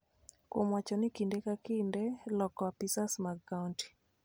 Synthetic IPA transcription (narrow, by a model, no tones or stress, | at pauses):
kwomwat͡ʃɔnɪkindɛkakindɛlɔkɔapisasmakːaunti̥